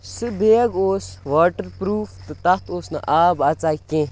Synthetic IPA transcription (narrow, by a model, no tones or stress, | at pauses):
sɨbeːɐɡoːsʋaːʈɐɾpɾuːft̪ɨt̪ɐt̪oːsnɐ̰ʔaːbɐt͡saːikẽː